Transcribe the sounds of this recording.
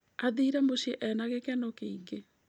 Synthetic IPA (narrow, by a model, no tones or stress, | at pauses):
aðiːɾɛmoɕieʔɛnaɣekɛnɔkeiŋɡe